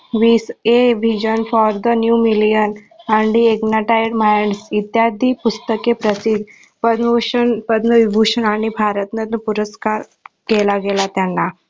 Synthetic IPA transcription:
ʋiːseʋid͡ʒənfɔɾd̪ənjuːmilijən | aɳɖieɡnaʈajɖmajɳɖsit̪jad̪ʱipust̪əkepɾəsid̪ | pəd̪ənpəd̪nəʋibʱuɕənaɽ̃ibʱaɾət̪nəəpuɾəskaɾ | kelaɡelat̪janːa

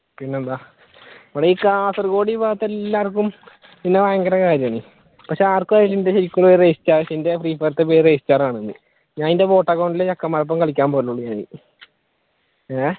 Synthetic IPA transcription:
pinːend̪aː | ʋɐɽeiːkaːsɐrko̞ːɽibaːɐt̪ːelːaːrk̬ːum | pinːeʋaːɐŋɡɐɾɐkaːɾjɐmni | pɐkʂeaːrkuaːɾilindeɕeikʲːuɭoɾreːsi̥t͡ɕːaːrɕende̞friːpːɐrt̪ːepeːɾreːsit͡ɕːaːraːɳenːɨ̰ | ɲaːninde̞bo̞ːʈːɐkːɐwɳɖileɐkːɐmɐrɐp̬ːɐmkɐɭikʲːaːnpoːluɭːuɲaːnḭ

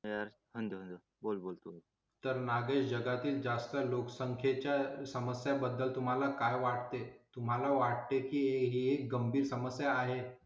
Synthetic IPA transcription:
jaɾ | hənd̪əɦənd̪ | bolbolt̪o | t̪əɾnaɡesd͡ʑəɡat̪iːld͡zast̪əloksəŋkʰjet͡ɕjasəməsjabəd̪ːəlt̪um̤alakajʋaʈ̚t̪et̪um̤alaʋaʈ̚t̪ekiːeɦiek̚ɡəmbʱiːɾsəməsjaːɦe

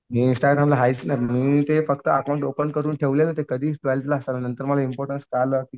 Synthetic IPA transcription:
miːinsʈaɡɾamlaɦait͡snamiːt̪efəkt̪əːkawũɳʈopəwɳʈ̚kəɾuːnʈʰeʋlelət̪ekəd̪ʱiːt͡sʈʋelʈlaːsalanənt̪əɾməlaimpɔɾʈənskaləːkiː

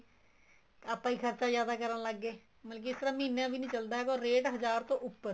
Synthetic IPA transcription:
aːpãːiːkʰəɾt͡ʃaːzjaːd̪aːkəɾnːləɡːeː | məlːkiɪst̪əɾãːmĩːnjãːbiːnĩːt͡ʃəld̪aːɦɛːkõːɾeːʈɦəzaːɾt̪õːʔʊpːəɾ

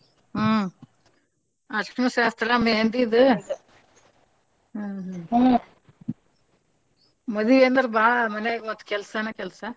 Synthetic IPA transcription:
ɐkɐmɐʃaːst̪ɾameːnd̪iðɯ | mɐðiʋeːnd̪ɐɾbaːɭɐmɐnemɐt̪ːkɛlsɐnɐkɛlsɐ

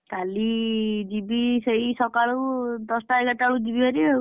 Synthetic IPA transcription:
kalid͡zibisʌjsʌkaɭud̪ɔsʈaeɡʌʈaɭud͡zibiɦʌɾi

